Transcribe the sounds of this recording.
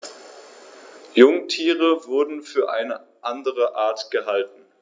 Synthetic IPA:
jʊŋtʰiːʁəvʊɐdn̩fyːɐʔaɪnəʔandəʁəʔaːɐtɡ̥əhaltn̩

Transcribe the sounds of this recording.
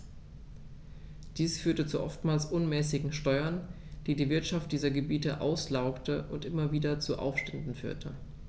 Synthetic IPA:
d̥iːsfyːɐtət͡suʔɔ̰ftmaːlsʔʊnmɛːsɪɡŋ̩ʃtɔʏɐn | d̥iːdiːvɪɐtʃaft̚d̥iːzɐɡəbiːtəʔa̰ʊslaʊktəʔʊntʔɪmɐviːdɐt͡suʔa̰ʊfʃtɛndn̩fy̰ːɐtʰə

